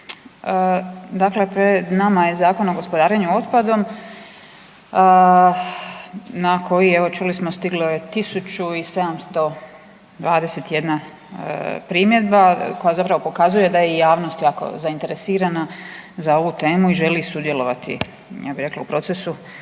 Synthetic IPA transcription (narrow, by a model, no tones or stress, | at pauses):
əd̪akle̞pɾed̪namajezaːko̞noɡo̞spod̪aːɾeɲuo̞t̪pad̪o̞m | ə | nakʰo̞jieʋo̞t͡ʃulismo̞st̪iɡloje̞t̪isut͡ʃuise̞d̪amst̪o̞ | d̪ʋaːd̪e̞se̞t̪je̞d̪na | pɾimje̞d̪̚bako̞jazapɾaʋo̞pokazuje̞d̪ajejaːʋnost̪jaːko̰zaint̪e̞ɾesiːɾanazao̞ʋut̪e̞ːmuiʒe̞lisud̪je̞lo̞ʋat̪ḭ | jʔa̰biɾe̞klaupɾo̞t̪se̞su